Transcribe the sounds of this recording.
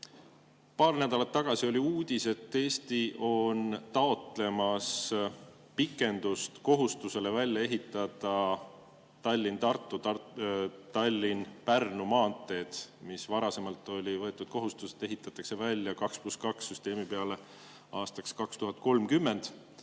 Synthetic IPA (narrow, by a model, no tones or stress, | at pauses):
pɑːrnæd̪ɑlɑt̪ːɑɡ̥ɑsio̞lʲiuːd̪̥ʲise̞t̪ːe̞ːst̪iʔo̞nt̪ɑo̞t̪le̞mɑs | pikːˑe̞nd̪ust̪ko̞ɦust̪use̞le̞vælʲjɑe̞ɦit̪ːˑɑd̪̥ɑ | t̪ɑlʲːint̪ɑrt̪ˑːuɑ | t̪ɑlʲːinpærnumɑːnt̪ːˑe̞ːd̪̥misvɑɾɑse̞mɑlt̪ːˑo̞lʲivɤ̞e̞t̪ːˑud̪̥ko̞ɦust̪use̥t̪ːe̞ɦit̪ːˑɑt̪ːˑɑkse̞vælʲjɑkɑkspluskɑksːyst̪e̞ːmipeɑle̞ | ɑːst̪ɑkskɑkst̪uɦɑt̪̚ko̞lmkymːe̞nd̪̥